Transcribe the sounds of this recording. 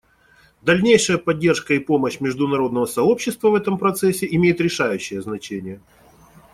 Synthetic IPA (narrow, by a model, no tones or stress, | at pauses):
d̪ɐlʲnʲejʂəjəpɐdʲːe̞rʂkəipo̞məɕmʲɪʐd̪ʊnɐɾo̞d̪nəvəsɐo̞pɕːɪst̪vəvɛt̪əmpɾɐt̪sɛsʲːɪɪmʲejɪt̪ɾʲɪʂajʉɕːɪjəznɐt͡ɕenʲɪjə